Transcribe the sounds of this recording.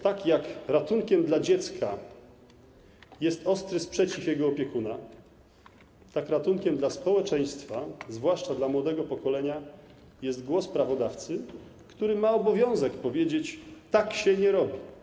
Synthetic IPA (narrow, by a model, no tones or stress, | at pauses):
t̪akjakɾat̪uŋkʲɛmd̪lad͡ʑɛt̪skʰa | jɛst̪ɔst̪ɾɘspʂɛt͡ɕifjɛɡɔːpʲjɛkuna | t̪akɾat̪uŋkʲɛmd̪laspɔwɛt͡ʂɛj̃st̪fazvwaʂt͡ʂad̪lamwɔd̪ɛɡɔpɔkɔlɛɲa | jɛst̪ɡwɔspɾavɔd̪aft̪sɘ | kt̪uɾɘmaɔbɔvʲjɔ̃w̃zɛkpɔvʲjed͡ʑet͡ɕt̪akɕɛɲɛɾɔbʲi